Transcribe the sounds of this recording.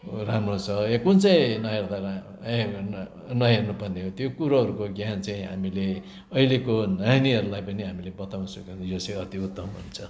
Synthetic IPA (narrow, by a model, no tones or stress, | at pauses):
ramrot͡sʰʌekunt͡sʌĩnʌjerd̪a | e | nʌjernupʌneɦot̪jokuɾaɦʌɾukoɡjant͡saĩɦa̰mile | ʌilekonʌniʌɾulajpʌniɦamilebʌt̪awnʌsukejot͡sʌjʌt̪iut̪ːʌmɦṵnt͡sʰʌ